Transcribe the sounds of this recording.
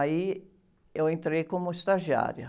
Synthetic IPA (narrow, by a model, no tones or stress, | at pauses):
i | ewẽnt̪ɾejkõmʊist̪aʒia̰ɾjʊ